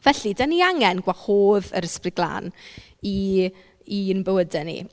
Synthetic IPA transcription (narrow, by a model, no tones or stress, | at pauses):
vɛɬidaniaŋɛnɡ̥waχoːðə̰ɾəsprɪɡlˠa̰ːn | iː | ənbəwədɛnḭ